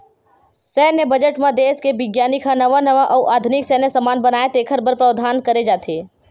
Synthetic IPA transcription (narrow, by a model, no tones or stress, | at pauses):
sɛːnebəd͡ʒəʈmãd̪eːskebɪɡjaːnikʰãnɐʋanəʋaʔɔːʔaːd̪ʱʊnɪksɛːnesɐmaːnbənaːet̪eːkʰəɾbəɾpɾəʋd̪ʱaːnkəɾed͡ʒaːt̪ʰeː